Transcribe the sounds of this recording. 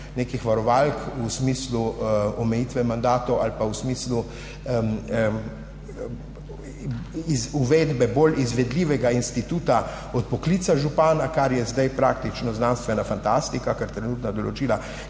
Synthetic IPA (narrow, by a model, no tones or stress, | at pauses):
neːkixʋaɾɔʋalkusmiːsluɔmɛjiːt̪ʋɛmand̪aːt̪ɔwalpausmiːslu | izuʋeːd̪bɛbolizʋɛd̪liːʋɛɡainst̪it̪uːt̪a | ɔt̪̚pɔkliːt̪saʒupaːnakaɾjɛzd̪ajpɾaːkt̪it͡ʃnɔznanst̪ʋɛnafant̪ast̪ikakaɾt̪ɾɛnuːt̪nad̪ɔlɔt͡ʃiːla